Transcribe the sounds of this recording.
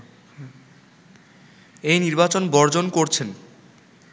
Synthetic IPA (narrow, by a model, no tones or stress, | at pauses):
ejniɾbat͡ɕonbɔɾd͡ʑonkoɾt͡ɕʰen